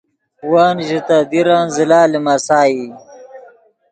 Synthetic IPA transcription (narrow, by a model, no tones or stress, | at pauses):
waːnʒit̪ad̪iɾaːnzilaːlimasaːji